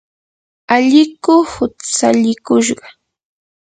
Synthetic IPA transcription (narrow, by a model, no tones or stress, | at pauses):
aʎɪkʊhʊt͡saʎɪkʊʃɢɑ